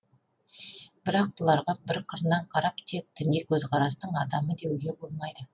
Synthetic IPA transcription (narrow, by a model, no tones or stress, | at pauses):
b̥ɪɾɑq̚bʊlˠɑɾʁɑbɪɾqʰəɾnɑɴqʰɑɾɑp̚t̪ʰe̞k̚d̪̥ɪnekʲʰɵzqʰɑɾɑst̪əɴɑd̪ɑməd̪e̞wɡʲe̞bo̞lˠmɑjd̪ə